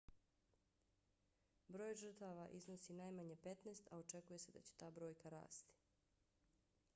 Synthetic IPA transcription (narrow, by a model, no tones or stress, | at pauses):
bɾo̞ːjʒr̩t̪aʋaʔiznosinajmaɲepet̪neːst̪aot͡ʃe̞kuje̞se̞d̪a̰t͡ɕe̥t̪aːbɾo̞ːjkaɾa̰ːst̪i̥